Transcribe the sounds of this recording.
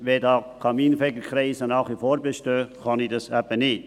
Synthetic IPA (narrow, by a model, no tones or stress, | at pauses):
ʋedɑːkʰɑmiːnfɛɡəkʰɾɛɪsənɑːχifoːɾbeʃtøːχɑnidɑsæbənɪt